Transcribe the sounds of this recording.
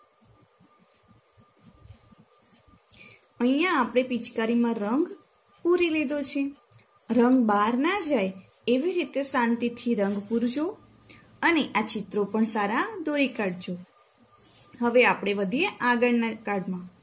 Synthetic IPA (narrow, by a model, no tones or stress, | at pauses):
əĩjãːpɽ̃epit͡ʃkaɾimãɾəŋɡ | puɾiled̪ot͡ʃʰe | ɾəŋɡbaɾnad͡ʒaj | eʋiɾit̪esãnt̪it̪ʰiɾəŋɡpuɾd͡ʒo | əneʔat͡ʃɪt̪ɾopəɳsaɾad̪oɾikaɖd͡ʒo | ɦəʋeapɽ̃eʋəd̪ʱieʔaɡəɽnakaɽmã